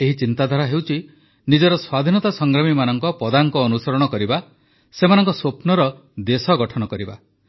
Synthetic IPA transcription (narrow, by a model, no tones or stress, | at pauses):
eɦit͡ʃint̪ad̪ʱaɾaɦewt͡ʃʰi | nid͡ʒɔɾɔswad̪ʱinɔt̪asɔŋɡɾamimanɔŋkɔpɔd̪aŋkɔːnusɔɾɔɽ̃ɔkɔɾiba | semanɔŋkɔswopnɔɾɔ | d̪esɔɡɔʈʰɔñɔkɔɾiba